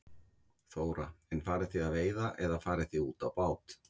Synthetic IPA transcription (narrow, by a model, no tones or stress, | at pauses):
θoːwɾaɛnfaːɾɪθiðaðveːjðaʔɛðafaːɾɪθiuːt̪awpaːwt̪